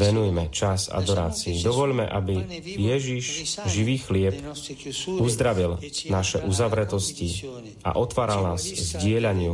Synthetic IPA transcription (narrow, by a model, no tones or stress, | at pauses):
ʋɛnujmɛt͡ʃasa̰d̪ɔɾaːt͡siid̪ɔʋɔʎmɛ̰ʔabijɛʒiʃʒiʋiːxlɪɛp | uzd̪ɾaʋilnaʃɛʔuzaʋɾɛt̪ɔsci | a̰ʔɔt̪ʋaːɾalnaːzzɟɪɛʎaɲɪu